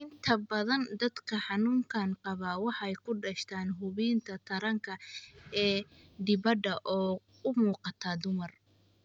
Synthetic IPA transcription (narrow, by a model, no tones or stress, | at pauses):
ʔɪnt̪ʰɐbɐðɐnd̪ɐd̪kʰɐħɑnuːŋkʰaːnqɑβaːwɑħɑɛjkʰʊɖɐʃt̪ʰaːnɦʊβiːnt̪ʰɐt̪ʰɐɾɐŋkʰɐɛː | d̪ɪβɐd̪ɐʔɔː | ʊmuːqɑt̪ʰɐd̪ʊmɐr